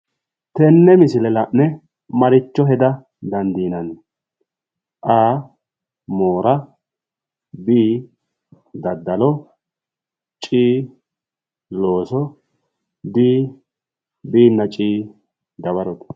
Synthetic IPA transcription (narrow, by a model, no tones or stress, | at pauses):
t̪ɛnːɛmɪsɪlɛlɐʔnɛ | mɐɾɪt͡ʃːɔɦɛd̪ɐ | d̪ɐnd̪iːnɐn | ʔaː | moːɾɐ | biː | d̪ɐd̪ːɐlɔ | t͡ʃʼiː | loːsɔ | b̪iː | biːnːɐt͡ʃʼiː | d̪ɐbɐɾɔt̪